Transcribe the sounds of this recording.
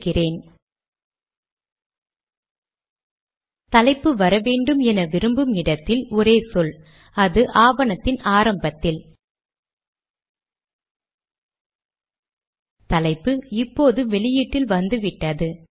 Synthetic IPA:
kːɪreːn | t̪ɐlɐɪpːɯʋɐɾɐʋeːɳɖɯmɛnɐʋɪɾɯmbɯmɪɽɐt̪ːɪlɔɾeːsɔl | ɐðɯʔaːʋɐnɐt̪ːɪnaːɾɐmbɐt̪ːɪl | t̪ɐlɐɪpːɯɪpːoːðɯʋɛɭɪjiːʈːɪlʋɐnd̪ɯʋɪʈːɐðɯ

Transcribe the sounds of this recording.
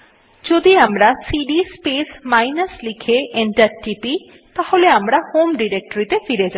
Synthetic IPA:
d͡ʑod̪iamɾasiɖispesmajnaslikʰeʔeɳʈaɾʈipi | t̪aholeamɾahomɖiɾek̚ʈoɾit̪efiɾed͡ʑa

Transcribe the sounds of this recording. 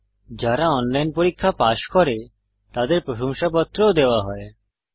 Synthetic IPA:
d͡ʑaɾaɔnlajnpoɾikʰːapaʃkɔɾe | t̪ad̪eɾpɾoʃomʃapɔt̪ːɾood̪eoaɦɔe

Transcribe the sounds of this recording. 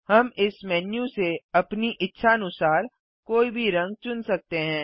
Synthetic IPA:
hɐmɪsmɛːnjũseɐpniʔɪtːʃʰaɐnʊsaːɾ | koːibʱiɾɐ̃ŋɡ̚t͡ʃʊnsɐk̚t̪eɦɛ̃ː

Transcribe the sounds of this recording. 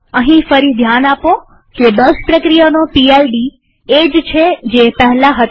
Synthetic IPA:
əɦĩfəɾid̪ʱjanapo | ked̪əspɾəkɾijanopialɖi | ed͡ʒt͡ʃʰed͡ʒepəɦɛlaɦət̪

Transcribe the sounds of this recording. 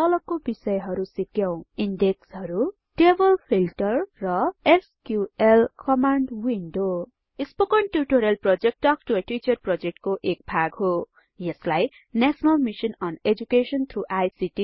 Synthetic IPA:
t̪ʌlʌkobisʌjɦʌɾusikjʌ̃w̃inɖekshʌɾu | ʈebʌlpʰilʈʌrːʌeskjuelkʌmaɳɖwinɖo | ispokʌɳʈjuʈoɾelprʌd͡zek̚ʈːʌk̚ʈueʈit͡ʃʌrprʌd͡zek̚ʈkoʔek̚bʱaɡɦo | jeslaj | nasʌnalmisʌnʌned͡ʒukesʌnt̪ʰɾuʔajsiʈi

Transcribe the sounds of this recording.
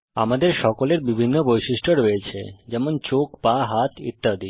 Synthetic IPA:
a̰mad̪eɾʃɔkoleɾbibʱinːobojʃiʃʈʰoɾoet͡ɕʰḛd͡ʑɛmont͡ɕokpaɦat̪ʰḭt̪ːad̪i

